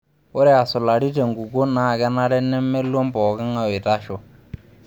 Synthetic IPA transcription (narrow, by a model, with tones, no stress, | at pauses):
ʊ˦ɾɛ˦a˨sʊ˨la˨ɾi˦te˨ŋɡu˨ko˦na˨kɛ˦na˦ɾɛ˦nɛ˦mɛ˦lwɔ˦mbɔː˨ka˦ŋa˦wɪ˨ta˦ʃɔ˦